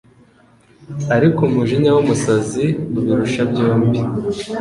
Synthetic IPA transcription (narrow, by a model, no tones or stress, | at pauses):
aɾikumuʒiɲawumusaziuβiɾuʃabjoːmbi